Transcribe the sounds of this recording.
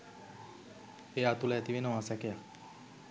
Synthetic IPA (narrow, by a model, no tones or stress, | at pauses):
ejaːt̪ulɛɛt̪iʋenoʋasɛkeja